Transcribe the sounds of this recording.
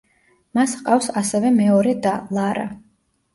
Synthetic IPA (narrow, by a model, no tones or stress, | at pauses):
masqʼafsasɛvɛmɛɔɾɛd̪alˠaɾa̰